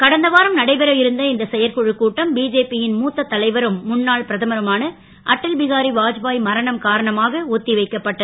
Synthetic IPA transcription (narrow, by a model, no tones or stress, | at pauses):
kɐɽɐnd̪ɐʋaːɾɐmnɐɽɐɪbɐɾɐjɪɾɯnd̪ɐɪnd̪ɐsɛjɐɾkɔɻɯkːuːʈːɐmbiːd͡ʒeːpijɪnmuːt̪ːɐt̪ːɐlɐɪʋɐɾɯmːʊnːaːɭpɪɾɐðɐmɐɾɐmaːnɐ | ʔɐʈːɪlbɪɣaːɾiʋaːd͡ʒbaːjmɐɾɐɳɐmkaːɾɐɳɐmaːɣɐot̪ːiʋɐɪkːɐpːɐʈːɐð